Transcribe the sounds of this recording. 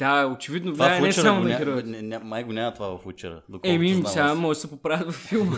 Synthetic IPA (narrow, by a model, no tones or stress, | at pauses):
d̪aot͡ʃɛvid̪novlvaɛsamonɐɡiɾot̪ɛnʲamajɡonʲamɐt̪ovavɐfut͡ʃɛɾə̰d̪okɛmissʲamɔʒɛsɛpopɾaət̪vɐfːilˠmə